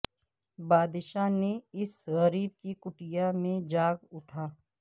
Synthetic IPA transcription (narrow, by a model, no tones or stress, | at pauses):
baːd̪ɪʃaneɪsɣɐɾiːb̚kikʊʈijamẽd͡ʒaːɡʊʈʰaː